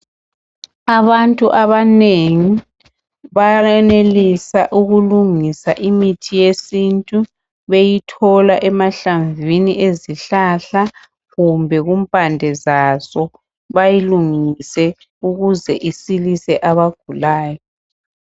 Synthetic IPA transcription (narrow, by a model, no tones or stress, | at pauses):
aβantʼuʔaβaneŋi | βaɛnelisaʔuɣuluŋisaʔimitʰijesintʼu | βejitʰɔlaʔɛmaɬaɱvʱiniʔeziɬaɬa | ɣumbʱɛɣumpʼandʱɛzasɔ | βajiluŋisɛ | uɣuzɛʔisilisɛʔaβaɡ̥ʱulaːjɔ